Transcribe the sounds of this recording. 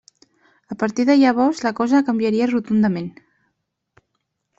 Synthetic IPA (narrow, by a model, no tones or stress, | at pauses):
əpəɾt̪iðəʎaβ̞ɔzləkɔzəkəmbjəɾiərut̪und̪əmen